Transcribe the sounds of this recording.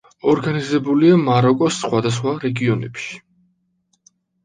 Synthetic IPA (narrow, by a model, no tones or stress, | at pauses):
ɔɾɡanizɛbuliamaɾɔkʼɔsːχwad̪as̬χwaɾɛɡiɔnɛ̰pʃi̥